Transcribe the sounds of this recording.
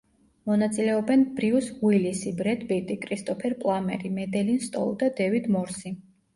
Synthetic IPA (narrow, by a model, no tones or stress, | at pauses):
mɔnat̪sʼilɛɔbɛnb̥ɾiusɣwilisibɾɛd̪bɛt̪ʼikʼɾist̪ʼɔpʰɛɾpʼlˠamɛ̰ɾimɛd̪ɛlinst̪ʼɔ̰lˠd̪ad̪ɛvid̪mɔɾsi